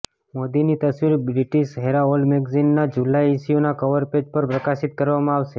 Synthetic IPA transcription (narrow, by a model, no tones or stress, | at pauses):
mod̪init̪əsʋiɾbɾiʈiʃɦeɾaolmeɡzinːad͡ʒulaisionakəʋəɾped͡ʒpəɾpɾəkasɪt̪̚kəɾʋamãaʋʃe